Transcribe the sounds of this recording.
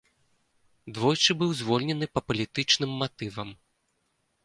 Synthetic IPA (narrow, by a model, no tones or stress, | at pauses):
d̪vɔjt͡ʂɨbɨwzvɔlʲnʲɛnɨpɐpɐlʲit̪ɨt͡ʂnɨmːat̪ɨvɐm